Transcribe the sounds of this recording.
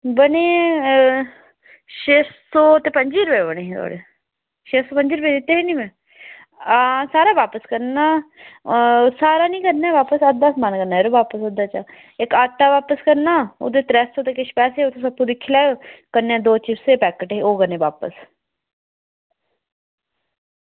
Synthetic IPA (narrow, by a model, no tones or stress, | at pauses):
bəneː | ʃeːsoːt̪eːpəɲd͡ʒiːɾəpeːbəneːɦẽːt̪ʰo̰ːɽeː | ʃeːsoːpəɲd͡ʒiːɾəpeːd̪t̪ːeːɦeːnĩːmɛ̃ː | saːɾaːʋaːpəskəɾnaː | saːɾaːnĩːkəɾnɛːʋaːpəsəd̪əsmaːnkəɾnaːeɾoːʋaːpəsod̪aːt͡ʃa | ɪkaːʈːaːʋaːpəskəɾnaːo̰d̪eːt̪ɾɛːsoːt̪eːkɪʃpɛːseːot̪ʰõːsəpːũːd̪ɪkʰːilaːjoːkəɾneɛ̃ːd̪oːt͡ʃɪfseːpɛːkəʈeːoːɡənẽːʋaːpə̰s